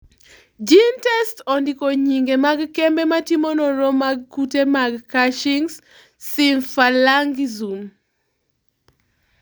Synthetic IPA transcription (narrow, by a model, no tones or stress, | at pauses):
d͡ʒintɛstondikoɲiŋɡemaɡkɛmbematimonoɾɔmaɡkutemaɡkaʃiŋs | siɱfalaŋɡzum